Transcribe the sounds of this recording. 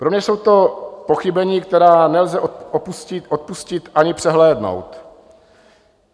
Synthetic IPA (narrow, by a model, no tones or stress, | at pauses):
pɾomɲɛso̞wt̪o̞po̞xɪbɛɲiːk̚t̪ɛɾaːnɛlzɛʔoopuscɪʔot̪̚puscɪt̪ʔaɲɪpr̝̥ɛɦlɛːdno̰wt̪